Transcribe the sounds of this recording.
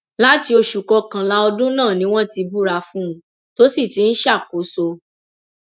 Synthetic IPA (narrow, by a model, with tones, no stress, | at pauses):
la˦ti˧o˧ʃu˨kɔ˧kã˨la˧ɔ˧dũ˦nãː˦˨nĩ˦w̃ɔ̃˦ti˧bu˦ɾa˧fũ˦˧˦ | to˦si˦˨ti˨˦n̩˦ʃa˦˨ko˨˦so˧